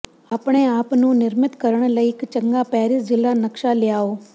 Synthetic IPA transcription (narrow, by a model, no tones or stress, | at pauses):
apɽ̃eːaːpnũːnɪɾmɪt̪kəɾəɳ̃ləiːɪkt͡ʃəŋɡaːpɛːɾɪsd͡ʒɪlːaːnəkʃaːlɪjaːoː